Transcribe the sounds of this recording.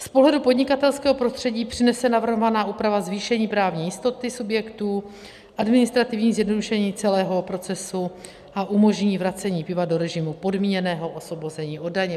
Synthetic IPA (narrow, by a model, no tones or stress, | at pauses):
spoɦlɛdupo̞dɲɪkat̪ɛlskɛːɦo̞pɾo̞st̪r̥ɛɟiːpr̥ɪnɛsɛnavr̩ɦovanaːʔuːpɾavazviːʃɛɲiːpɾaːvɲiːjɪst̪o̞t̪ɪsubjɛkt̪uː | ʔadmɪnɪst̪ɾat̪ɪvɲiːzjɛdno̞duʃɛɲiːt͡sɛlɛːɦo̞pɾo̞t͡sɛsu | ʔaʔumo̞ʒɲiːvɾat͡sɛɲiːpɪvado̞ɾɛʒɪmupo̞dmiːɲɛnɛːɦo̞ʔo̞svo̞bo̞zɛɲiːʔo̞daɲɛ